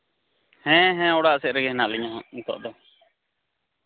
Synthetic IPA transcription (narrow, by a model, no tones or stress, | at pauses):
hɛ̃ɦɛ̃ɔɽaʔsɛʔɾɛɡɛhɛnaʔliɲɔɦãũt̪ɔ̰ʔd̪ɔ